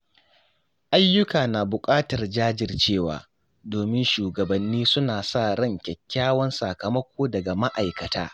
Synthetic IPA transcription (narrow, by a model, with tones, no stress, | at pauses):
ʔa˦jːʊ˦kaː˨na˨bʊ˨kʼaː˦tɐ˨rd͡ʒaː˦d͡ʒɪ˨rt͡ʃeː˦˨wa̰ː˨ | doː˨mɪ˦nʃuː˨ɡɐ˨bɐ˨nːiː˦sʊ˦naː˨sa˦˨ɽɐ˦˨ŋkʲɛ˨kʲːaː˦wɐ˦nsa˨kɐ˨mɐ˦kʷoː˦dɐ˨ɡa˨ma˦ʔa˨jkɐ˨ta̰ː˦